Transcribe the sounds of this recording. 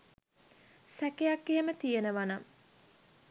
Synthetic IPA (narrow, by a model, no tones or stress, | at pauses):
sækejakːeɦemət̪ijenəʋana